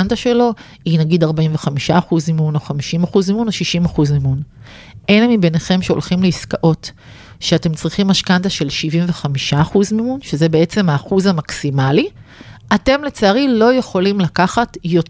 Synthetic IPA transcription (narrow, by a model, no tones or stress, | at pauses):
ndaʃe̞lo̞ | inaɡidaʁbaiɱve̞χamiʃaːχuzmimuno̞χamiʃimaχuzmimunoʃiʃimaχuzmimun | ʔelemibeneχe̞mʃeo̞̰lχimleiskaʔo̞t | ʃeate̞mt͡sʁiχimaʃkandaʃe̞lʃivimve̞χamiʃaːχuzmimunʃe̞zebe̞e̞t͡semhaːχuzamaksimaliate̞mle̞t͡saːʁilo̞je̞χo̞limlakaχatjo̞t